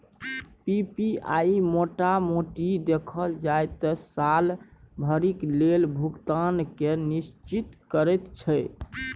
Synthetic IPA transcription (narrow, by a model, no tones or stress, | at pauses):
pipiajmoʈamoʈid̪ekʰəld͡ʒajt̪ɔsalbʱəɾiklelbʱukt̪ankenist͡ʃit̪kəɾɛt̪t͡ʃʰəj